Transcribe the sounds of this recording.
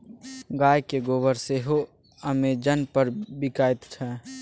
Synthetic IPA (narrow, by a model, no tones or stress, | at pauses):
ɡaːjkeɡoːbəɾseɦo | əmed͡ʒənpəɾbɪkaːɪt̪t͡ʃʰɛː